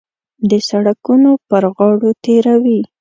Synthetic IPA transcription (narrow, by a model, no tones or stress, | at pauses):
d̪əsaɽakunopəɾɣɑɽot̪eɾawi